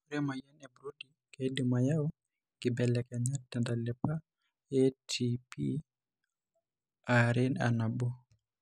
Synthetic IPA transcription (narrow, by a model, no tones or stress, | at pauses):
ɾɛmajɛnɛbɾudi | kedimajaɔ | ɡ̥ɪbɛlɛkɛɲatɛndalɛpa | ɛtʰipʰi | aɾɛna̰nabo